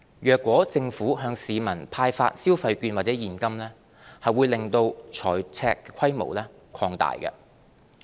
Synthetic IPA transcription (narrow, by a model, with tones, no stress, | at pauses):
jœː˨kʷːwɔː˨˥t͡sɪ˧ŋfuː˨˥ɦœː˧ŋsiː˨mɐ˨˩npʰaː˧jfa̰ː˧t̚siː˥wfɐ˧jkyː˧nwaː˨t̚t͡sɛː˨˥jiː˨˩nkɐ˥mlɛː˥ | hɐ˨jwuː˨˧jlɪ˨ŋt̪o˧wt͡ʃʰɔː˨˩jt͡sʰɛ̰ː˧kːɛ˧kʷʰɐ˥jmo̰˨˩wlɛː˥ | kʰɔː˧ŋt̪a̰ː˨jkɐ̰˧